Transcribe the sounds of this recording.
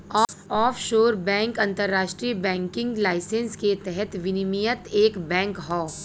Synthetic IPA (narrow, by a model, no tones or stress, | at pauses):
ɔːɔːfʰʃoːɾbɛ̃ːŋkɐ̃nt̪əɾːaːʃʈɾiːbɛ̃ːŋkɪ̃ŋɡlaːɪsẽnsket̪ɛɦɛt̪ʋɪnimijət̪eːkbɛ̃ːŋkɦɔː